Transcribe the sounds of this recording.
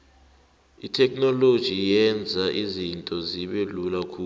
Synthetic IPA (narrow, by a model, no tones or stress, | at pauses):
itʰɛk̬̚ʰʼnɔlod̥ʒ̥ʱijɛnd͡zʱaʔizintʼɔziɓelulakʰu